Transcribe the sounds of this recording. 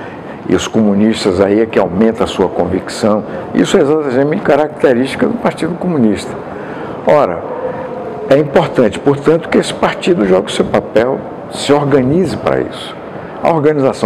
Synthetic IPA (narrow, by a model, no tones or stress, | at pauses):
ɪ̰ʊskomũniʃt̪ɐzaiɛkɪawmẽnt̪ɐ̃ɐsuɐkõviksɐ̃w̃ḭsʊɛezat̪amẽmẽt͡ʃɪkaɾak̚t̪eɾiʃt͡ʃi̥kɐd̪ʊpaɾt͡ʃid̪ʊkomũniʃt̪ɐ̥ | ɔɾɐ̰ | ɛĩpoɾt̪ɐ̃nt͡ʃɪ̥poɾt̪ɐ̃nt̪ʊ̥kɪesɪ̥paɾt͡ʃid̪ʊʒɔɡɪʊsewpapɛw | sɪoɾɡɐ̃nizɪpɾɐ̰ḭsʊ̥ | ɐ̰oɾɡɐ̃nizasɐ̃